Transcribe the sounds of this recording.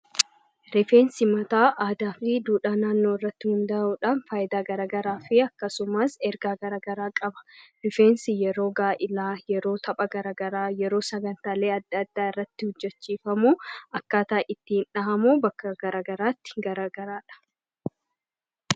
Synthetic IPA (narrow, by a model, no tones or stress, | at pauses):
ɾɪfeːnsɪmɐt̪aːʔaːd̪aːfɪd̪uːᶑaːnaːnːoːɪrːɐt̪ːɪhʊnd̪ɐuːᶑanfaːjɪd̪aːɡɐɾaːɡɐɾaːfɪɐkːɐsʊmaːsɛɾɡaːɡɐɾaːɡɐɾaːkʼɐbɐ̥ɾɪfeːnsɪjɛɾo̞ːɡaːʔɪlaːjɛɾo̞ːt̪ʰɐpʼɐɡɐɾaːɡɐɾaːjɛɾo̞ːsɐɡɐnt̪aːle̞ːɐd̪ːɐd̪ːaːɪrːɐt̪ːɪhʊd͡ʒːɛt͡ʃːiːfɐmuːɐkːaːt̪aːʔɪt̪ːɪhɪnᶑɐɦɐmuːbɐkːɐɡɐɾaːɡɐɾaːt̪ːɪ̥ɡɐɾaːɡɐɾaːᶑɐ̥